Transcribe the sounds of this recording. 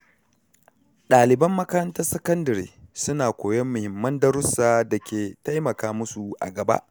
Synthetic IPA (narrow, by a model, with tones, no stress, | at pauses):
ɗaː˨lɪ˨bɐ˦mːɐ˦kɐ˦ɾɐ˦ntɐ˦rsɐ˦kɐ˦ndɐ˨ɾḛː˨sʊ˦naː˨kʷoː˨jɛ˦mːʊ˨hɪ˨mːɐ˦ndɐ˦ɾʊ˦saː˦dɐ˨kʲʰeː˨ta˦jmɐ˨kaː˦mʊ˦su˨ʔa̰˨ɡɐ˨ba̰˦ʔ